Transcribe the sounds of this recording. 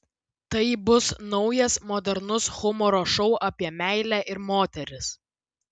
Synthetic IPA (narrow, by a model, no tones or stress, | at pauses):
t̪ɐɪbʊsnɒʊjɛsmɔd̪ʲɛɾnʊsxʊmɔɾoːʃɔʊʔɐpʲiɛmʲæɪlʲæːʔɪɾmoːt̪ʲɛɾʲɪs